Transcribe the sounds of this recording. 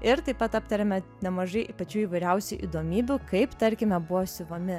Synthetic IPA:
ɪɾt̪ɐɪpɐt̪ɐpt̪ɐɾʲɛmʲɛnʲɛmɐʒɐɪʔpɐt͡ʃʲuːiːʋɐɪɾʲɛʊsʲuʔḭd̪oːmʲiːbʲukɐɪpt̪ɐɾʲkʲɪmʲɛbʊʋosʲɪʋomʲɪ

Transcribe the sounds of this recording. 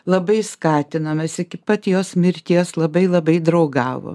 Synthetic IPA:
lˠɐbɐɪskɑːt̪ʲɪnɐmʲɐsʲɪkʲɪpɐt̪ʲjoːsmʲɪɾʲt̪ʲiɛslˠɐbɐɪlˠɐbɐɪd̪ɾɐʊɡɑːʋo̰ːm

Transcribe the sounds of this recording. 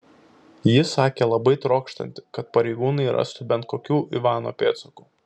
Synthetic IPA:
jɪsɑːkʲeːlˠɐbɐɪt̪ɾoːkʃt̪ɐ̰nʲt̪ʲɪ̥kɐt̪pɐɾʲɛɪɡuːnɐɪɾɐ̰st̪ʊbʲɛnt̪̚koːkʲuːʔiʋɑːno̰ːpʲeːt̪soku̥ː

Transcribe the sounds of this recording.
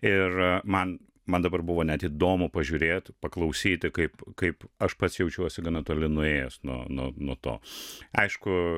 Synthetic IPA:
ɪrmɐn | mɐnd̪ɐbɐrbʊʋoːnʲɛt̪iːd̪oːmʊpɐʒʲʊːɾʲeːt̪pɐklˠɐʊsʲiːt̪ʲɪkɐɪpkɐɪpɐʃpɐt̪sjɛʊt͡ʃʲuɔsʲɪɡɐnɐt̪oːlʲɪnʊeːjɛsnuɔnuɔnuɔt̪o̰ːɐɪʃkʊ

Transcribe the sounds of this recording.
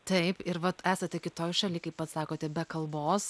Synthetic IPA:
t̪ɐɪpɪɾʋɐt̪æːsɐt̪ʲɛkʲɪt̪oːjʃɐlʲiːkɐɪppɐt̪sɑːkoːt̪ʲɛbʲɛkɐlˠboːs

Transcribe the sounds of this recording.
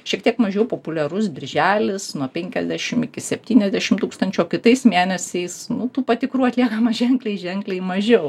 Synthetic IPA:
ʃʲiɛkt̪ʲiɛkmɐʒʲɛʊpoːpʊlʲɛɾʊsbʲɪrʲʒʲæːlʲɪsnuɔpʲɛŋʲkʲɛzʲd̪ʲæːʃʲɪmɪkʲɪsʲɛpʲt̪ʲiːnʲɛzʲd̪ʲæːʃʲɪmt̪uːkst̪ɐnʲt͡ʃʲoːkʲɪt̪ɐɪsmʲeːnʲɛsʲɛɪsnʊt̪uːpɐt̪ʲɪkɾuːɐt̪ʲlʲiɛkɐmɐʒʲɛŋklʲɛɪʒʲɛŋklʲɛɪmɐʒʲɛʊ

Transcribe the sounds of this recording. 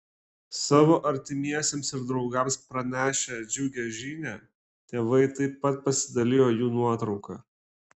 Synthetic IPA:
sɑːʋoːʔɐɾʲt̪ʲɪmʲiɛsʲeːmsɪɾd̪ɾɒʊɡɐmspɾɐnʲæːʃʲɛd͡ʒʲʊʊɡʲɛʒʲiːnʲæː | t̪ʲeːʋɐɪt̪ɐɪpːɐt̪̚pɐsʲɪd̪ɐlʲɪjoːjuːnuɔt̪ɾɒʊkɑ̰ː

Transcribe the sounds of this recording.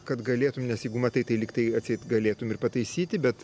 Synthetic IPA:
kɐt̪ɡɐlʲeːt̪ʊmnʲɛsjɛɪɡʊmɐt̪ɐɪt̪ɐɪlʲɪkt̪ɐɪɐt̪ʲsʲɛɪt̪ɡɐlʲeːt̪ʊmɪrpɐt̪ɐɪsʲiːt̪ʲɪbʲɛt̪

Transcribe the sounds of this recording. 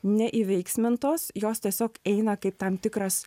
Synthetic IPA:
nʲɛʔiʋʲɛɪksʲmʲɪnt̪oːsjoːst̪ʲiɛsʲoːkɛɪnɐkɐɪp̚t̪ɐmt̪ʲɪkɾɐs

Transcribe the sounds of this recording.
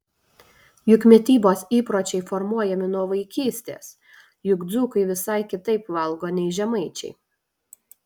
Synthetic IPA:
jʊkmʲɛt̪ʲiːboːsiːpɾoːt͡ʃʲɛɪfɔɾmuɔjɛmʲɪnuɔʋɐɪkʲiːsʲt̪ʲḛːs | jʊɡd̪zuːkɐɪʋʲɪsɐˑɪkʲɪt̪ɐɪpʋɐlˠˑɡoːnʲɛɪʒʲɛmɐɪt͡ʃʲɛ̰ɪ

